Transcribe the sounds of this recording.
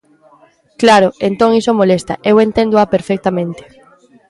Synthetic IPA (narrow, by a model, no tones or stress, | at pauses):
klaɾoent̪õŋisomolest̪a̰ʔewent̪ẽnd̪oʊapeɾfek̚t̪amẽnt̪e̥